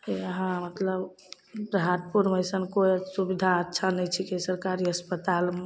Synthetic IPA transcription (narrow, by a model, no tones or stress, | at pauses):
eəɦãmət̪ləb | bɾɦaʈ̪̚puɾməjsənkoisubid̪ʱaətːʃʰanəjt͡ʃʰikesəɾkaɾiəspət̪al